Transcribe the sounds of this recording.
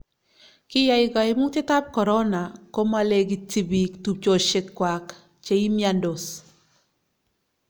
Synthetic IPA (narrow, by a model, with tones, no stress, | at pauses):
kɪ˦ja˨˦ɪ˨ɡa˨ɪ˨mʊ˦ŋtɪ˦ta˦p̚kɔ˨ɾɔ˦na˨ko˦ma˦le˦ɡi˨ti˦bi˨ktu˨p̚t͡ʃo˨ʃɪ˦kːwa˨k | t͡ʃe˦i˦mja˦ndo˨s